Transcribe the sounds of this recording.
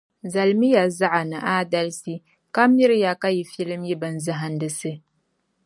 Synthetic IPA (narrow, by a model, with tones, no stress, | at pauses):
za˨lmi˦ja˨za˦ʔa˨nɨ˨ʔaː˦da˦lsi˦ | ka˦m˦ji˦ɾɨ˦ja˨ka˦ji˨fi˦lɨ˦mji˦bɨ˨n˦zɨ˦ɦa˨ndɨ˨sɨ˦